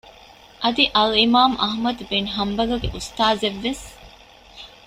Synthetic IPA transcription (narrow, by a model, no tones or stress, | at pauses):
ʔɐd̪iʔɐlimaːmʔɐ̰ɦmɐd̪benɦɐmbɐlɐɡḛʔust̪aːzeʋːes